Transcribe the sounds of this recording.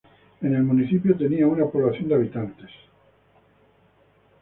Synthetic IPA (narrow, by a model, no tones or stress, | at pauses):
e̞ne̞lmuniθipjot̪e̞niaunapo̞βlaθjo̞nd̪eaβit̪ant̪es